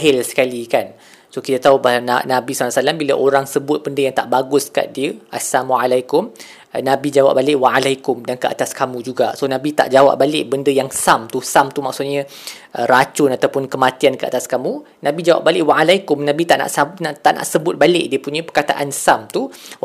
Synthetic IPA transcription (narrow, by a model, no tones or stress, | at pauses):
ɦɪlsə̥kalikan | sokit̪at̪aubalana̰nãbismalasalambilaʔoɾaŋsəbʊt̪̚bəndəjaŋt̪aʔbaɡʊska̰ʔ̚diəʔasamualajkʊm | nãbid͡ʒawa̰p̚balɪʔwaalajkʊmdankəʔa̰t̪askamũd͡ʒuɡasonãbit̪a̰ʔd͡ʒawa̰p̚balɪʔbəndəjaŋsamt̪usamt̪umaksʊt̪̚ɲã | ʔəɾat͡ʃʊnat̪awpʊnkəmãt̪iankəa̰t̪askamũ | nãbid͡ʒawa̰p̚balɪʔwaalajkʊmnãbit̪aʔna̰ʔsanaʔt̪aʔna̰ʔsəbʊt̪̚balɪʔdiəpuɲãpərkat̪a̰ʔansamt̪u